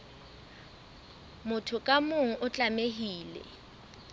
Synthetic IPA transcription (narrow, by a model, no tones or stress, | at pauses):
mʊtʰʊkʼamʊŋ̩ʔʊt͡ɬʼameɦiːlɛ̰